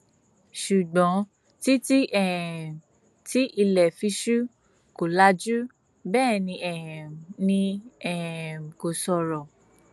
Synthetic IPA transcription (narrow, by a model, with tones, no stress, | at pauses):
ʃu˨ɡ͡bɔ̃˨˦ | ti˦ti˦ʔɛ˨ | ti˦ʔi˧lɛ˨fi˧˦ʃu˦ | ko˨la˨˦d͡ʒu˦ | bɛː˦˨nĩ˧ʔɛ˨mnĩ˧ɛ˨m̩˨ko˨sɔ˧ɾɔ˨